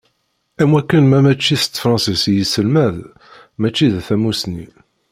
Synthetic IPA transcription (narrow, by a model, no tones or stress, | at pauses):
æmwækːənmæmæt͡ʃːist̪fɾˤɑ̃nsisijisəlmæð | mæt͡ʃːiðθæmusni